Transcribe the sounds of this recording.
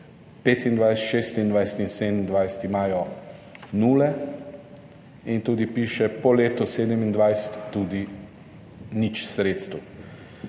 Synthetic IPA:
peːt̪ind̪ʋajsɛt̪ʃeːst̪ind̪ʋajsɛ̥t̪insed̪nind̪ʋajsɛ̥t̪imaːjɔ | nuːlɛ | int̪uːd̪ipiːʃɛpɔleːt̪ɔseːd̪ɛmind̪ʋajsɛ̥t̪ːuːd̪i | nit͡ʃsɾeːt̪st̪əw

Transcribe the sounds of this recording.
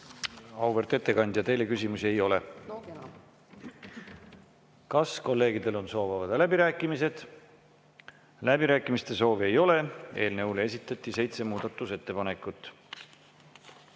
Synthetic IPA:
ɑwvert̪e̞t̪ːe̞kɑnʲd̪̥ʲjɑt̪e̞jle̞kysʲimusiejo̞le̞̰ | kɑsko̞lːe̞ːɡ̥id̪e̞lo̞nso̞ːvɑvɑd̪̥læbiɾæːkːˑimise̞d̪̥ | læbiɾæːkːˑimist̪e̞so̞ːvie̞jo̞le̞e̞̰ːlneulee̞s̬it̪ːˑɑt̪ʲːˑise̞jt̪se̞muːd̪̥ɑt̪ːˑuse̞t̪ːe̞pɑnekːˑut̪ːˑ

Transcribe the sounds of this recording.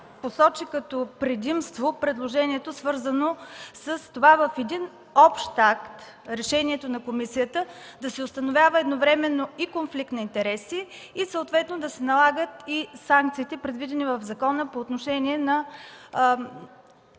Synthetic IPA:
posɔt͡ʃikɐt̪opɾɛd̪imst̪vopɾɛd̪lˠoʒɛniɛt̪osvɤɾzənosəst̪ovavəfɛd̪in | ɔpʃt̪akt̪ | ɾɛʃɛniɛt̪onɐkomisijət̪ə | d̪ɐsɛost̪ənovʲavəɛd̪novɾɛmɛnːoikonflik̚t̪nɐint̪ɛɾɛsiː | səot̪vɛt̪nod̪ɐsɛnɐlˠaɡət̪isaŋk̚t̪siːt̪ɛpɾɛd̪vid̪ɛnivəvzɐkɔnəpoːt̪noʃɛniɛnɐ

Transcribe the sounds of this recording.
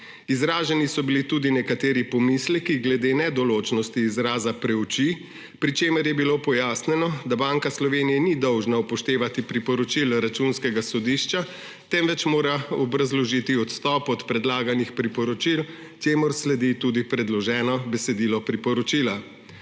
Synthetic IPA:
izɾaːʒɛnisɔbilit̪uːd̪inɛkat̪eːɾipɔmislɛkiɡlɛd̪eːnɛd̪ɔloːt͡ʃnɔst̪iːzɾaːzapɾɛwt͡ʃi | pɾit͡ʃeːmɛɾjɛbiloːpɔjaːsnɛnɔd̪abaːŋkaslɔʋeːnijɛnid̪ɔwʒnaupɔʃt̪eːʋat̪ipɾipɔɾɔt͡ʃilɾat͡ʃunskɛɡasɔd̪iʃt͡ʃa | t̪ɛmʋɛt͡ʃmoːɾaɔbɾazlɔʒit̪iɔt̪st̪ɔːpɔt̪pɾɛd̪laːɡanixpɾipɔɾɔt͡ʃil | t͡ʃeːmɔɾslɛd̪it̪uːd̪ipɾɛd̪lɔʒɛːnɔbɛsɛd̪iːlɔpɾipɔɾɔt͡ʃiːla

